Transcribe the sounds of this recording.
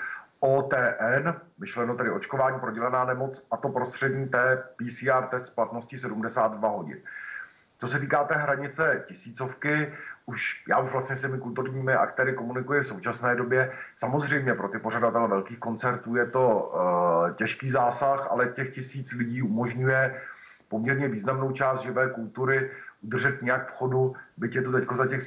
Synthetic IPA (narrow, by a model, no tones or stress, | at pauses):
ʔoːt̪ɛːʔɛnmɪʃlɛnot̪ɛdɪʔo̞t͡ʃkovaːɲiːpɾo̞ɟɛlɛnaːnɛmo̞t͡sʔat̪o̞pɾo̞st̪r̥ɛdɲiːt̪ɛːpiːsiːaːɾt̪ɛst̪splat̪no̞scɪsɛdumdɛsaːd̪dvaɦo̞ɟɪ̰n | t͡so̞sɛt̪̬iːkaːt̪ɛːɦɾaɲɪt͡sɛcɪsiːt͡so̞fkɪʔuʃjaːuʒvlast̪ɲɛscɛmɪkult̪uɾɲiːmɪʔa̰kt̪ɛːɾɪko̞munɪkujɪfso̞wt͡ʃasnɛːdo̞bjɛsamo̞zr̝ɛjmɲɛpɾo̞t̪ɪpo̞ɾadat̪ɛlɛvɛlkiːxko̞nt͡sɛɾt̪uːjɛt̪o̞ | cɛʃkiːzaːsaxʔa̰lɛcɛxcɪsiːt͡slɪɟiːumo̞ʒɲujɛ | po̞mɲɛɾɲɛviːznamno̞wt͡ʃaːst̪ʒɪvɛːkult̪uɾɪʔud̪r̩ʒɛt̪ɲɛjakfxo̞dubɪcjɛt̪ot̪ɛcko̞zacɛx